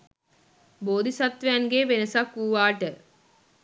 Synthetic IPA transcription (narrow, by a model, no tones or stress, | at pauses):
boːd̪ʱisat̪ʋejanɡeʋenəsakːuːʋaːʈə